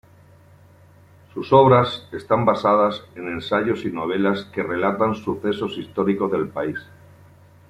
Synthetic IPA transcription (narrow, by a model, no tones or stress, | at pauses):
suso̞β̞ɾase̞st̪ambasað̞ase̞nẽ̞nsaʎo̞sino̞β̞e̞laske̞re̞lat̪ansuθe̞so̞sist̪o̞ɾiko̞zðe̞lpais